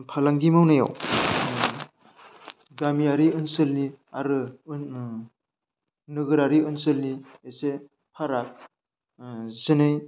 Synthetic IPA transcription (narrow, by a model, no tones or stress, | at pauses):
pʰalaŋɡimawnaja̰w | ɡamiaɾiɯnsɯlni | aɾɯ | nɯɡɯɾaɾiɯnsɯlniese | pʰaɾak̚ | zɯnɯj